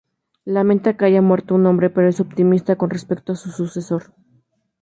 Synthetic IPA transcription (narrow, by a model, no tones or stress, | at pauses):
lamẽnt̪akeaʝamwe̞ɾt̪ounombɾe̞pe̞ɾo̞e̞so̞pt̪imist̪ako̞nre̞spe̞k̚t̪oasususeso̞ɾ